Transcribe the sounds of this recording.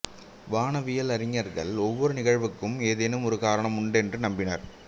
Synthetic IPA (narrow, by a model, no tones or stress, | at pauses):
ʋaːnɐʋɪjɐlɐɾɪŋːɐɾɣɐ̰ɭɔʋːɔɾɯnɪɣɐɻʋɯkːɯmeːðenɯmɔɾɯkaːɾɐɳɐmʊɳɖɛndrɯnɐmbɪnɐɾ